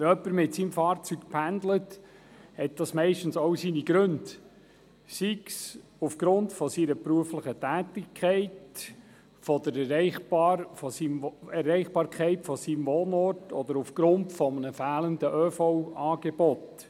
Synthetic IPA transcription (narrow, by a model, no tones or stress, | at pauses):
œpːəɾmɪtsimfɑːɾt͡syk̚pʰændlət | hɛt̚d̥ɑsmɛɪʃtn̩sowsiniɡɾɵnd | siksufɡ̥ɾʊntfɔsiːɾəpɾuəflɪχətæːtɪkʰːɛɪt | fɔd̪əɾɛɾɛɪχɑɾfɔsimɛɾɛɪχb̥ɑːɾkʰɛɪtfɔsimvoːnɔɾtɔd̪əɾufɡ̥ɾʊntfɔmənəfæːləndəʔœfɔwɑːɡ̥eb̥ɔt